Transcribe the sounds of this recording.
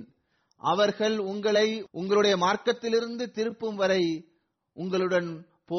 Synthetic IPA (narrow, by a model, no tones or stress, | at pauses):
ʔɐʋɐɾɣɐɭʊŋɡɐɭɐɪʔʊŋɡɐɭɯɽɐjɐmaːɾkɐt̪ːɪlɪɾɯnd̪ɯt̪ɪɾɯpːɯmʋɐɾɐɪ | ʔʊŋɡɐɭɯɽɐn | poː